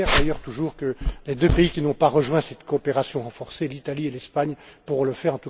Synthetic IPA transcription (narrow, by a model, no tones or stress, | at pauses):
ɛʁd̪ajœʁt̪uʒuːʁkəled̪øpeikʲinɔ̃paʁəʒwɛ̃sɛt̪kɔːpeʁasjɔ̃ʁɑ̃fɔʁselit̪alielɛspaɲpuʁɔ̃ləfɛʁɑ̃t̪u